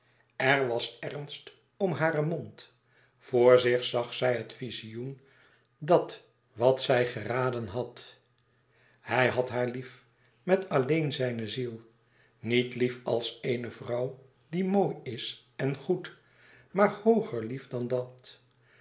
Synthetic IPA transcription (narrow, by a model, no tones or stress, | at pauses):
ɛɹʋɑsɛrnst | ɔmɦaːɾəmont | v̥oːɹzɪχsɑχsɛjɦətfizijun | dɑt | ʋɑtsɛjχəraːdənɦɑt | hɛjɦɑtɦaːɹlif | mɛtɑlejnzɛjnəzilˠ | nitlifɑ̰lˠsejnəvrɑw | dimoːjɪs | ɛnχut | maːɹhowχəɹlifdɑndɑt